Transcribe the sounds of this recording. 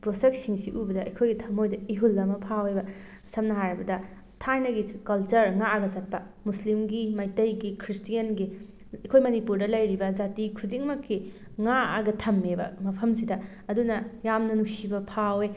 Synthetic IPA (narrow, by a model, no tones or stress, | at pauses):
pɾosek̚tsiŋsiʔubɐdɐɐ̰jkʰojɡitʰɐmojdɐiɦulːɐmɐpʰawebɐ | sɐmnɐɦajɾɐbɐdɐ | tʰajnɐɡikɐlt͡ʃɐɾŋaɐɡɐzɐt̚pɐ | muslimɡimajtɐjɡikʰɾistijɐnɡi | ɐkʰojmɐnipuɾdɐlɐjɾibɐzatikʰudiŋmɐkːi | ŋaɐɡɐtʰɐmːebɐ̰mɐpʰɐms̬idɐ | ɐdunɐjamnɐnuksibɐpʰawe